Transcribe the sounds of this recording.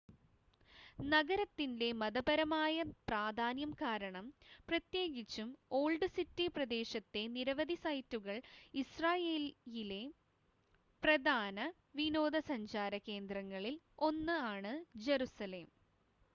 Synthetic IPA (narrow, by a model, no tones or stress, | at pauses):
nɐɣɐɾɐt̪ːinde̞mɐðɐbɐɾɐmaːjɐpraːd̪ʱaːnjɐmkaːɾɐɳɐmprɐt̪je̞ːɡit͡ɕːumo̞ːɭɖɨsitːiprɐd̪e̞ːɕɐt̪ːe̞niɾɐʋɐd̪isɐjtːuɣɐɭisraːjeːljile̞ | prɐd̪ʱaːnɐ | ʋino̞ːd̪ɐsɐɲt͡ɕaːɾɐke̞ːnd̪rɐŋːɐɭil | o̞nːɨaːɳɨd͡ʑeɾusɐle̞ːm